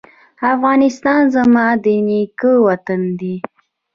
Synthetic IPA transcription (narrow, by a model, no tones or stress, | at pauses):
afɣɑnɪst̪ɑnzamɑd̪ənikəwat̪and̪i